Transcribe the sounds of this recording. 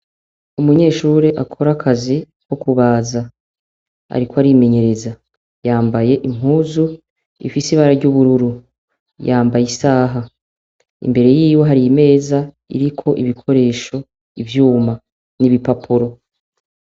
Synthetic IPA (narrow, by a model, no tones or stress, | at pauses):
umuɲe̞ːʃuːɾeʔakʰo̞ɾakʰazi | wokuβaːza | a̰ɾikoaɾime̞ɲe̞ɾe̞za | jaːmbaje̞ʔim̥huːzu | ḭfisiβaːɾaɾɟuβuɾuɾu | jaːmbajisaːɦa | ḭmbe̞ɾe̞jiːwo̞ɦaɾijime̞ːza | ḭɾikʰo̞ʔiβikʰo̞ɾe̞ːʃo̞ | ivjuːma | niβipapʰuɾo̞